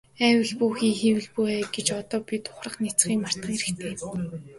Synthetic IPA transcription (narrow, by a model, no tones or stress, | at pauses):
æːwɘ̆ɮpuːxiːŋxiwɘ̆ɮpueːɡet͡ɕɔt̪ɔːpʲit̪ʰʊ̥χrə̆χnit͡sχiːŋmar̥t̪ə̆ŋeɾɘ̆kt̪ʰeː